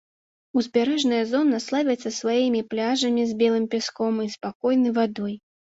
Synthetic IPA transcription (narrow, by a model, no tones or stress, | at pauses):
uzʲbʲaɾɛʐnɨjɐzɔnːɐslˠavʲɐt̪sːɐsvajimʲiplʲaʐɐmʲizʲbʲɛlˠɨmʲpʲaskɔmispakɔjnɨjvad̪ɔj